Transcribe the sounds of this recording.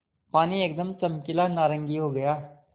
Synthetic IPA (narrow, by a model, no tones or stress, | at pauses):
paːnieːk̚d̪əmt͡ʃɐmkɪlanaːɾə̃ŋɡiɦoɡɐjaː